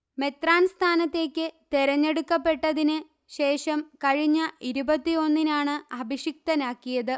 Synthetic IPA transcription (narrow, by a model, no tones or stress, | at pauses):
me̞t̪raːnst̪ʰaːnɐt̪ːe̞ːkʲːɨt̪eɾɐɲːe̞ɽukːɐpːe̞ʈːɐðinɨ | ɕe̞ːʂɐmkɐɻiɲːɐiɾubɐt̪ːio̞nːinaːɳɨɐbʱiɕik̚t̪ɐnaːkːijɐðɨ